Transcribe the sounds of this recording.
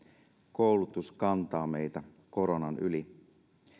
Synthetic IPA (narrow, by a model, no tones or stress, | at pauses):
kowlut̪uskɑnt̪ɑːmejt̪æ | ko̞ɾonɑnyli